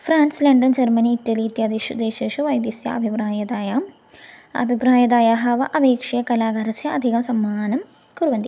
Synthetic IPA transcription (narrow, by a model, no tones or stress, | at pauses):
fɾaːnslɐɳɖɐnd͡ʑɐrmɐniːtːɐliːt̪jaːd̪iʂud̪eːɕeːʂuʋɐjd̪jɐsjɐ̰ɐbʱibɾaːjɐd̪aːjaːm | ɐ̰bʱibɾaːjɐd̪aːjaːɦɐʋɐʔɐbeːkʂɐjɐkɐlaːɡɐɾɐsjɐɐd̪ʱiɣɐmsɐmːaːnɐm | kuɾuʋɐnd̪i